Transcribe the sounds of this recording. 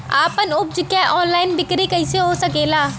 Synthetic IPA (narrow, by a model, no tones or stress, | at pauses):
aːpənʊp̚d͡ʒʊkːɛːʔɔːnlaːɪnbɪkɾeːkəɪseɦoːsəkeːlaː